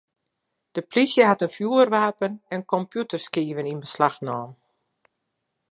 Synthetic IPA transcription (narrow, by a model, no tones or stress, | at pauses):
d̥əplisjəɦatənfjuːərʋaːpənɛnkɔmpjutərskiːvəninbəslaxnɔːm